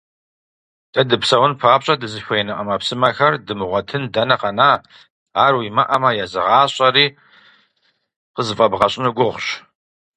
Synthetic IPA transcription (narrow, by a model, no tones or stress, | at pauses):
d̥ɐdɨpsɐwʊnpʰaːpɕʼɐdɨzɨɕʷɐjnɨqɐmɐpsɨmɐxɐrdɨmɨʁʷɔtʰɨndɐnɐqɐnaː | aːrwimɐʔɐmɐjazɨ̰ʁɑːɕʼɐriː | qəzɨfʼɐbʁɐɕʼnɨɡʷʊʁʷɕ